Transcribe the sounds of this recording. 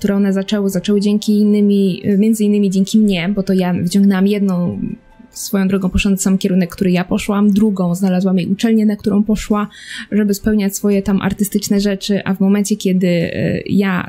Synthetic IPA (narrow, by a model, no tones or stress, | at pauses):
kt̪uɾɛɔnɛzat͡ʂɛwɘzat͡ʂɛwɘd͡ʑɛŋkʲiːnːɘmʲimʲjɛnd̪zɘinːɘmʲid͡ʑɛŋkʲimɲɛbɔt̪ɔjavɘt͡ɕɔ̃ŋɡnɛwamjɛd̪nɔ̃w̃ | sfɔjɔ̃d̪ɾɔɡɔ̃w̃pɔʂɔnd̪samkʲɛɾunɛkːt̪uɾɘjapɔʂwamd̪ɾuɡɔ̃w̃znalazwamjejʔut͡ʂɛlɲɛnak̚t̪uɾʔɔ̃w̃pɔʂwaʐɛbɘspɛwɲat͡ɕʲsfɔjɛt̪amʔa̰ɾt̪ɘst̪ɘt͡ʂnɛʐɛt͡ʂɘʔa̰vmɔmɛnt͡ɕɛkʲjɛd̪ɘ̰ja̰